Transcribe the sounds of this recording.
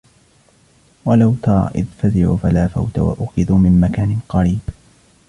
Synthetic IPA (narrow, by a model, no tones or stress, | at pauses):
walawt̪ɑɾˤɑ̰ʔɪðfazɪʕṵːfalaːfa̰wt̪a̰wa̰ʔʊxɪðuːmɪmmakaːnɪqɑɾiːb